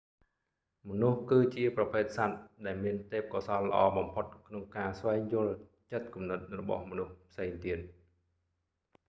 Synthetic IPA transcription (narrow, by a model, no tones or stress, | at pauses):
mɔnuhkɨːt͡ɕiəprɑpʰeːt̪̚sat̪̚ɗaɛlmiənt̪eːp̚kɑsɑlːə̆ʔɑːɓɑmpʰot̪̚kʰnoŋkaːsʋaɛŋjʊəl | t͡ɕət̪̚kumnɨt̪̚rɔɓɑ̰hmɔnuhpʰseːŋt̪iət̪̚